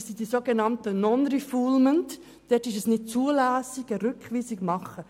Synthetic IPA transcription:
sidisoɡenɑntənɔnɾifuːlmənt | d̥ɛtɪʃɛsnɪt̚t͡suəlæːsɪɡəɾʏkχviːsɪkmɑχə

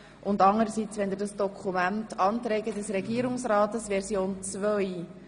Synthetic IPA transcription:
ʔʊndɑŋəɾəsit͡sʋɛnd̪ɪdɑsd̥ɔkʰumæntʰɑːntɾɛːɡədɛsɾɛɡiːəɾʊŋsɾɑːtəsvɛɾsjoːnt͡svœj

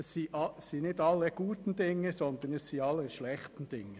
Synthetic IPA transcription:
ɛssiːʔɑssiːnɪdɑlːəɡ̥uːt̪n̩d̥ɪŋːəsɔnd̪ənɛssiːɑlːəʃlɛχt̪n̩d̥ɪŋːə

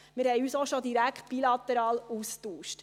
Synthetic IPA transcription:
mɪɾhɛjyːsoʃod̪iɾækχt̪̚b̥ilɑt̪əɾɑːluːstuːʃt

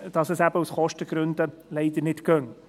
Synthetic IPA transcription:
d̥ɑsɛsæb̥əusχɔʃtəɡ̥ɾʉnd̪əlɛɪd̪əɾnɪtkœŋ

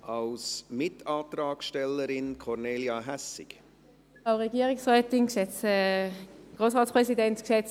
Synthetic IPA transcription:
ɑlsmɪtɑːt̪ɾɑːkʃtɛlːəɾɪnkʰɔɾneːljɑɦæsɪ̰k | aʊʁeɡiːəʁɪksʁɛːtɪŋkʃɛt͡sɛːɡ̥ʁoːsʁaːtt͡sspʁɛsidɛntksɛt͡s

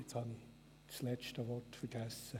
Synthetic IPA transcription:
et͡shɑni | t͡slɛt͡ʃtəʋɔtfəɾɡ̥æsːə

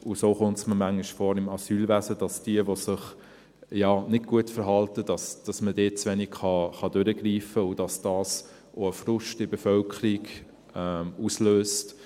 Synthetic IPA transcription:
ʊsoːχʊntsməmæŋiʃfoːɾɪmɑsyːlvæsəd̥ɑsd̥iəʋosɪχ | jɑːnɪdɡ̥uətfəɾɦɑltəd̥ɑsd̥ɑsmədeːt̚t͡sʋɛnikχɑχɑdøɾəɡɾiːfəʊd̥ɑsd̥ɑːs | ʔoəfrʊʃtɪbɛfœlkʰəɾiɡ | ɛmusløːst

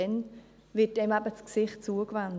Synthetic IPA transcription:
ɛn | vɪtɛmɛbət͡sksɪχt̚t͡suəkvand

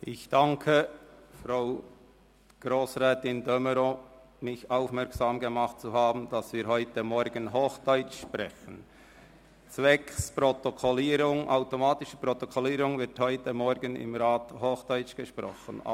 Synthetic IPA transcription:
ʔɪçd̥aŋkʰəfɾaʊ | ɡ̥ɾoːsʁɛːtɪndœməɾoː | mɪçaʊfmɛɐksaːmɡəmaχt̚t͡suhaːbn̩d̥ɑsviːɾɦɔʏtəmɔɾɡənɦoːxd̥œʏt͡ʃʃprɛçən | t͡svɛkspʁotokʰoliːɾʊŋʔaʊtomaːtɪʃə̥pʁotokʰɔliːɾʊŋvɪthɔʏtəmɔɾɡənɪ̰mʁaːthoːxd̥ɔʏt͡ʃɡ̥əʃpɾɔ̰χə̰n̰

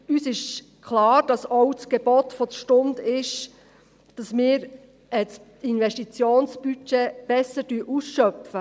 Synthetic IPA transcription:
yːsɪʃ | kʰχlɑːɾd̥ɑsɔwt͡sɡ̥eb̥ɔtfɔd̪əʃtʊndɪʃ | d̥ɑsmɪːɾ | ʔɛt͡s | ɪnvɛʃtit͡sjoːnsb̥yt͡ʃeb̥ɛsəɾdyəʔusʃœpfə

